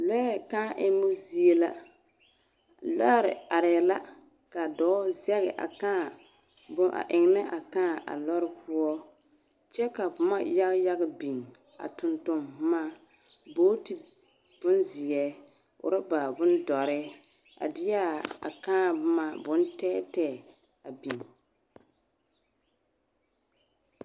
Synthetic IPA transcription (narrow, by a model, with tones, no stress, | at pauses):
lɔ˦kaː˦ʔɪ˦mu˦zi˦e˦la̰˦ | la˦ɾɪ̰˨a˨ɾɛ˨la˦ | ka˨dɔː˨˦zɛ˦ɣɪ̰˨ʔa̰˨ka˦˨ | bʊ˦ʔa̰˨ʔɪ˨ŋ˨nɪ˦ʔa˨ka˦˨ʔa̰˨lɔ˦ɾɪ˦pu˦ɔ˦ | t͡ʃɛ˦ka˨pʊ˨ma̰˦ja˦ɣja˦ɡɪ˦bi˨ŋ | a̰˨tʊ˨ntʊ˨mma˦ | boː˦ti˨ | b̥ʊ˦nzi˨jɛ˦ | ʊ̰˨ɾɪ˦ba˨bʊ˦ndɔ˨ɾɪ˦ | a̰˨dɪ˦ja˦a̰˨kaː˦ma˦˨bʊ˦ntɛː˦tɛ˦ | a˨bi˨ŋ